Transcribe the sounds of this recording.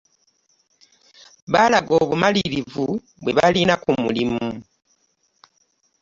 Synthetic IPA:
βalaɡo̞ːβumaliɾivu | βwe̞βalinakumṵlimu

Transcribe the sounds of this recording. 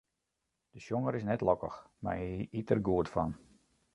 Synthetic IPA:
d̥əʃjoŋəɾɪsnɛtlɔkə̰x | ma̰iitərɡuətfɔn

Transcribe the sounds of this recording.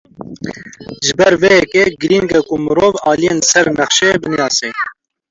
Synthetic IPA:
ʒɨbɛɾvejɛkeɡɨɾinkɛkumɨɾoːvɑːlijeːnsɛɾnɛχʃebɨnijɑːseː

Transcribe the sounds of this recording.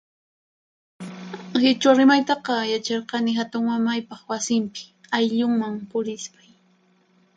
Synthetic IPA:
hɪt͡ʃaɾɪmajt̪ɑqɑjat͡ʃɑɾqɑnɪɦat̪ʊŋmamajpɑχwasɪmpɪ̥ajʎʊŋmaŋpʊɾɪspaj

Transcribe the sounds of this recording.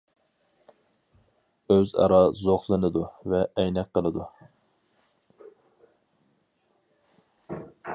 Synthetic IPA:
øzɑ̰ɾɑzoχlˠɨnɨd̪uvɛʔɛjnɛkqʰːəlˠɨd̪u

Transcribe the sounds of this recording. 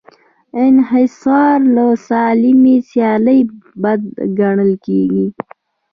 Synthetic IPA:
ɪnɦɪsɑːɾlosɑlimisjɑləjbad̪̚ɡaɳ̃əlkeɡi

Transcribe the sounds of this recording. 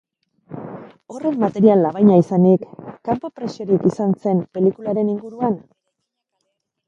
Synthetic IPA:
o̞re̞mːat̪e̞ɾialːaβajɲaisanikːampopɾe̞sio̞ɾikisanse̞mpe̞likulaɾe̞niŋɡuɾuan

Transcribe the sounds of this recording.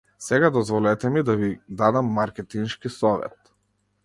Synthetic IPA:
sɛɡad̪ɔzvɔlɛt̪ɛmid̪avid̪ad̪amːaɾkʲɛt̪inʃkisɔvɛ̰t̪

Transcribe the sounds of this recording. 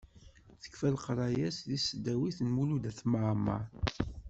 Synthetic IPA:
θə̥kfælqɾˤɑjæsðisd̪æwiθnmulud̪æθmaʕmːɑ̰ɾ

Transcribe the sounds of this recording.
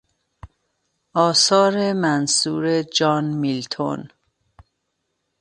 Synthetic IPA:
ʔɒːsɒːɾemænsuːɾed͡ʒɒːnmilt̪ʰo̰n

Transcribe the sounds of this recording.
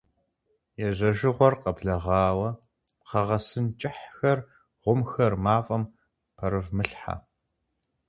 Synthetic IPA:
jɛʑɐʒɪʁʷɔrqɐbɮɐʁɑːwɐ | qɐʁɐsɨnt͡ʃʼɪħxɐr | ʁʷʊmxɐrmaːfʼɐm | pʰɐɾɨvmɨɬħa̰

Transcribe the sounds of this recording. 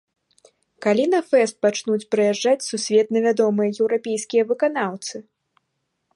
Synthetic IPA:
kalʲinɐfɛst̪̚pat͡ʂnut͡sʲpɾɨjaʐːat͡sʲsusʲvʲɛt̪nʲɐvʲad̪ɔmɨjɐjɛwɾapʲejskʲijɐvɨkanawt̪sɨ

